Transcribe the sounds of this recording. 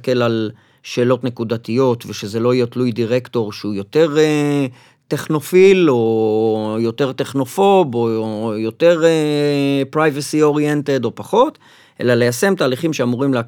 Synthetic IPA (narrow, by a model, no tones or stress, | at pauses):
kelal | ʃe̞ːlo̞tne̞kud̪at̪ijo̞t̪veʃeze̞lo̞ijet̪lujdiʁekto̞ʁʃeujo̞t̪e̞ʁ | te̞χno̞filo̞ | jo̞t̪e̞ʁt̪e̞χno̞fo̞bojo̞t̪e̞ʁepʁajvasio̞ʁjente̞do̞paχo̞t | ʔe̞̰lale̞jase̞mt̪aːliχimʃe̞amuʁimlea